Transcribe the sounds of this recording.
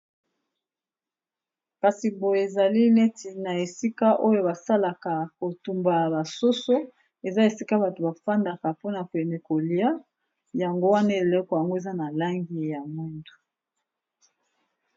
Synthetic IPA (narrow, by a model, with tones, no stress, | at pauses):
ka˨si˨bo˨e˨za˨li˦le˦ti˨na˨e˨si˦ka˦ʔo˦jo˦ba˨sa˦la˨ka˨ko˨tu˨mba˨ba˨so˦so˦ | e˨za˦e˨si˦ka˦ba˨to˨ba˨fa˦nda˨ka˨po˦na˨ko˨ɛ˨ne˨ko˨li˦a˦ | ja˨ŋɡo˦wa˦na˦e˨lo˦kɔ˨ja˨ŋɡo˦e˨za˦na˨la˦ŋɡi˦ja˨mwi˦ndu̥˨